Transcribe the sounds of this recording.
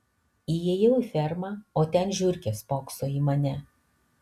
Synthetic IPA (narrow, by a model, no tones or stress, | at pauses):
ijɛjɛʊifʲɛɾmɐoːt̪ʲɛnʒʲʊɾʲkʲeːspoːksoːiːmɐnʲɛ